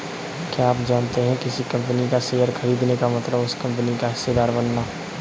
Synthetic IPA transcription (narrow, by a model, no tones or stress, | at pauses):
kaaːpd͡ʒaːnt̪eɦɛ̃kɪsikɐ̃mpənikaseːjəɾxʰɐɾiːd̪nekamɐt̪ləbʊskɐ̃mpənikaɦɪst̪ed̪aːɾbɐnːaː